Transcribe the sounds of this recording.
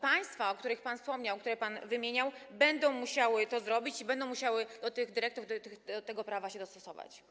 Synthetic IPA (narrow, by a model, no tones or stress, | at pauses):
paj̃st̪faɔkt̪uɾɘxpanfspɔmɲawkt̪uɾɛpanvɘmʲjeɲawbɛnd̪ɔ̃w̃muɕawɘt̪ɔzɾɔbʲit͡ɕibɛnd̪ɔ̃w̃muɕawɘd̪ɔt̪ɘɣd̪ɘɾɛk̚t̪uvd̪t̪ɘxd̪ɔt̪ɛɡɔpɾavaɕɛd̪ɔst̪ɔsɔva̰t͡ɕ